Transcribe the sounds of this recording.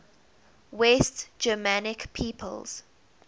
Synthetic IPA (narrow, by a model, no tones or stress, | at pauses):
wɛstd͡ʒəmanɪkpʰiːpʰə̰lz̥